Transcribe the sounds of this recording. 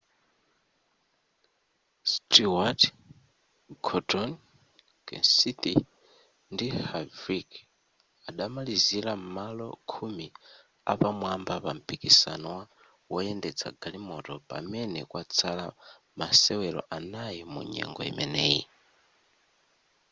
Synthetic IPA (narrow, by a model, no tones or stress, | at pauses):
stiwat | ɡʰɔdɔn | kɛ̰nsit̪i | ndihavɾik | aɗamaliziɾamalɔ̰kʰumi | apamwambapam̩pikisanɔwa | wɔjɛndɛt͡sʰa̰ɡalimɔtɔpa̰mɛnɛkwat͡sʰala | masɛwɛɾɔ̰ʔanajimṵɲɛ̰ŋɡɔ̰ḭmɛnɛːji